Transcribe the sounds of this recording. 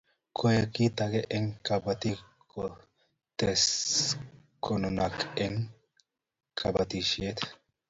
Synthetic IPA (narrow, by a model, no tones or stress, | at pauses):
kʰɔjɛkːit̪ɐɡɛʔɛŋkɐbɐt̪ikʰːɔ | t̪ɛs | kʰɔnɔnɐkɛŋ | kʰɐbɐt̪iʃɪet̪